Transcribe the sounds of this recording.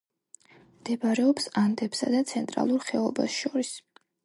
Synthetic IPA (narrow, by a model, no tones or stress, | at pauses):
d̪ɛbaɾɛɔpsand̪ɛpsa̰d̪at̪sʰɛnt̪ʼɾa̰lˠuɾχɛɔba̰sʃɔɾis